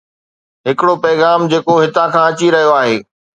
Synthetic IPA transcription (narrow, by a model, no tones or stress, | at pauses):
ɦɪkɪɽopɐːɪɣaːmd͡ʑeːkoɦɪt̪ãkʰãːɐt͡ɕiɾɐɦijoaːɦeː